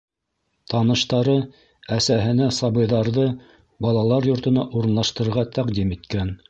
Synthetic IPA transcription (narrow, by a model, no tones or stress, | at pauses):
t̪ɑnɤ̆ʃt̪ɑɾɤ | æsæɦɘ̆næsɑbɤ̆jðɑɾðɤ | bɑlˠɑlˠɑɾjŏɾt̪ɤ̆nɑʔuɾɤ̆nlˠɑʃt̪ɤ̆ɾɤ̆ɾʁɑt̪æqd̪imit̪kæn